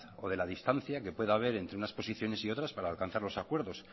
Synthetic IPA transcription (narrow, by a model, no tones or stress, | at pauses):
o̞̰ðe̞laðist̪an̟θjake̞pwe̞ðaβ̞e̞ɾe̞nt̪ɾunaspo̞siθjo̞ne̞sio̞t̪ɾaspaɾaːlkan̟θaɾlo̞sakwe̞ɾðo̞s